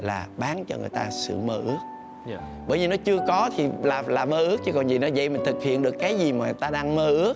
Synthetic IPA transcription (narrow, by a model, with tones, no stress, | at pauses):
laː˨˩ɓaː˨˦nt͡ɕɔ̰˧ŋɨ˨˩əjt̪aː˧sɨ̰˧˨məː˧ʔɨ˦˥ək̚ | ɓəː˧˩jvi˨˩nɔ˨˦t͡ɕɨ˧əkɔ˨˦t̪ʰi˨˩laː˨˩laː˨˩məː˧ʔɨ˦˥ək̚t͡ɕɨ˨˦kɔ˨˩nzi˨˩nɔ˨˦zə̰˧˨jmï̟˨˩t̪ʰɨ˨˩k̚hḭ˧˨ənɗɨ˨˩əkːaː˨˦jzi˨˩maː˨˩˨t̪aː˧ɗaː˧ŋməː˧˩ʔɨ˦˥ək̚